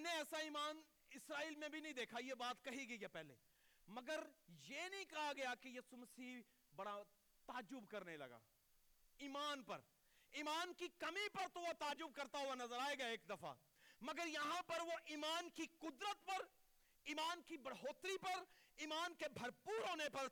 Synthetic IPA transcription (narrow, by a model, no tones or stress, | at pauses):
nẽɛːsaiːmaːn | ɪsɾaːiːlmẽbʱinɐɦĩd̪eːkʰajebaːt̪kɐɦiɡijepɛːɦlḛː | mɐɡəɾjeːnɐɦĩkɐɦaɡɐjakijɐsumɐsiː | bɐɽa | t̪aːd͡ʒʊbkɐɾnelɐ̰ɡa̰ː | iːmaːnpɐ̰ɾ | iːmaːnkikɐmipɐɾt̪oʋot̪aːd͡ʒʊb̚kɐɾt̪aɦʊwanɐzəɾaːeɡɐeeːk̚d̪ɐfa̰ | mɐɡəɾjɐɦãpɐɾʋoʔiːmaːnkikʊd̪ɾət̪pɐɾ | iːmaːnkibɐɽɦoːt̪ɾipɐɾiːmaːnkebʱɐɾpuːɾɦoːnepɐɾ